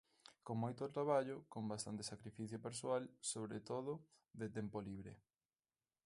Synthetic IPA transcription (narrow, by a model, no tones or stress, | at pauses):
koŋmojt̪ot̪ɾaβaʎokombast̪a̰nt̪esakɾifiθjopeɾsoalsoβ̞ɾet̪oðʊ | ðet̪ɛmpoliβɾḛ